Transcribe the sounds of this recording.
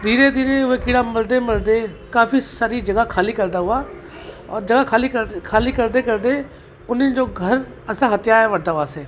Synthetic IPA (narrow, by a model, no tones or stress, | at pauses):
d̪ʱiːɾed̪ʱiːɾeʊekɪːɽaːməld̪eməld̪ekaːfʰisaːɾid͡ʒəɡakʰaːliːkəɾd̪aːɦʊaː | ɔːɾd͡ʒəɡakʰaːlikəkʰaːliːkəɾd̪ekəɾd̪eː | ʊnẽd͡ʒoːɡʱəɾ | əsãɦət̪jaːɾɛʋəɽd̪aːɦʊaːseː